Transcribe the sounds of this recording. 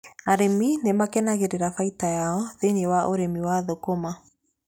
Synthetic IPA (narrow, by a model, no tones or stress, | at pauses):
aɾeminemakɛnaɣeɾeɾafaitajaɔðeniewaʔoɾemiwaðokoma